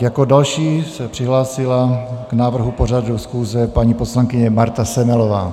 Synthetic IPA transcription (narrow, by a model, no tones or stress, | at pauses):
jakodalʃiːsɛpr̝̥ɪɦlaːsɪlaɡ̥naːvr̩ɦuporadusxuːzɛpaɲiːposlaŋkɪɲɛmaɾt̪asɛmɛlovaː